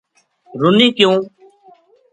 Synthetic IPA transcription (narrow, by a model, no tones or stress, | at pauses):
ɾʊniːkjõː